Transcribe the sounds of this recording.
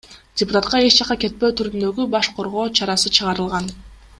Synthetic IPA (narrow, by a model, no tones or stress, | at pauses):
dʲɪpʊt̪at̪̚qɑe̞t͡ʃd͡ʒɑqɑke̞t̪̚pø̞ːt̪ʰyɾynd̪ø̞ɡybɑʃqʰo̞ɾʁo̞ːt͡ʃʰɑɾɑsɯt͡ʃʰɯʁɑɾɯlˠʁɑn